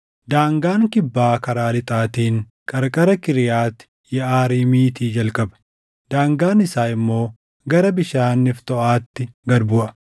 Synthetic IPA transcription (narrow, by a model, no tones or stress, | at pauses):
d̪aːŋɡaːŋkɪbːaːkɐɾaːlɪt̪ʼaːt̪iːŋ | kʼɐɾkʼɐɾɐkɪɾɪjaːt̪ːɪ̥ | jɛʔaːɾiːmiːt̪iːd͡ʒɐlkʼɐbɐ̥ | d̪aːŋɡaːnɪsaːɪmːo̞ː | ɡɐɾɐbɪʃaːnːɪft̪ɔʔaːt̪ːɪɡɐɾbʊʔɐ